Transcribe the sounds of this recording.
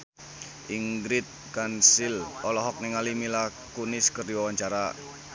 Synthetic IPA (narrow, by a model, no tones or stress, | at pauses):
ʔiŋɡɾɪt̪̚kansɪlɔlɔɦɔk̚niŋalimilakunɪskərd̪iwawaɲt͡ʃaɾa